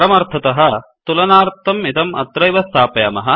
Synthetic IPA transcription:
ɾɐmɐɾt̪ʰɐt̪ɐɦɐ̆t̪ulɐnaːɾt̪ːɐmit̪ɐmɐ̰t̪ɾɐjʋɐst̪ʰaːpɐjɐmɐɦɐ

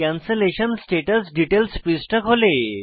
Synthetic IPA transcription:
ãnseleɕənsʈeʈəlsɖiʈelspisʈəkɦole

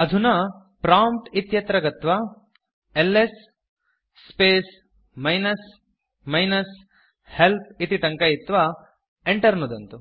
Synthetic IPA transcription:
ɐd̪ʱunɐ | pɾaːmʈit̪jɐt̪ɾɐɡɐt̪ʋɐ | elːesː | peːs | mɐjnɐs | mɐjnɐs | helt̪̚ʰit̪iʈɐŋkɐjit̪ʋɐ | eɳʈɐɾnud̪ɐnt̪u

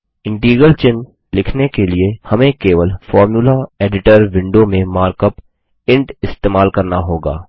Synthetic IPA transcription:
ɪ̃ɳʈiːɡəlt͡ʃɪn | lɪkʰnekeliehɐmẽkeːʋəlfɔːɾmjuːlaeːɖɪʈəɾʋɪ̃ɳɖomẽmaːɾkəp | ɪ̃ɳʈɪst̪eːmaːlkɐɾnaɦoːɡa̰ː

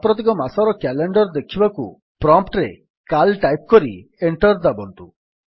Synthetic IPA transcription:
pɾɔt̪̬ikɔmasaɾɔkɛleɳɖɔɾd̪ekʰibaku | pɾɔmpʈɾe | kalʈajp̚kɔɾieɳʈɔɾd̪abɔnt̪u

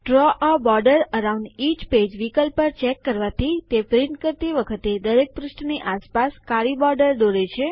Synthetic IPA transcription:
ʈɾɔʔabɔɾɖəɾəɾaũɳɖit͡ʃped͡ʒʋikəlpəɾt͡ʃɛkːəɾʋat̪ʰit̪epɾiɳʈkəɾt̪iʋəkʰət̪ed̪əɾek̚pɾʊsʈniʔaspaskaɾibɔɾɖəɾd̪oɾet͡ʃʰe

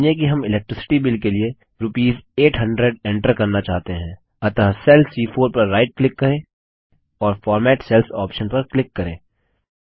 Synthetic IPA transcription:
ek̬iɦɐmɪlɛk̚ʈɾɪsɪ̥ʈibɪlkelie | ɾʊpiːzeːʈɦɐ̃ɳɖɾeɖɛ̃ːɳʈəɾkɐɾnat͡ʃaːɦt̪eɦɛ̃ː | ɐt̪əɦsɛlsiːfʰoːɾpɐɾːaːɪʈ̚klɪkːɐɾẽː | ɔːɾfɔːɾmɛːʈsɛlsɔːpʃənpɐɾklɪkːɐɾḛ̃ː

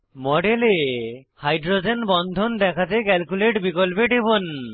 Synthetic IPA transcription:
mɔɖelehajɖɾod͡ʑenbɔnd̪ʱond̪ɛkʰat̪ekɛlkuleʈbikolpeʈebon

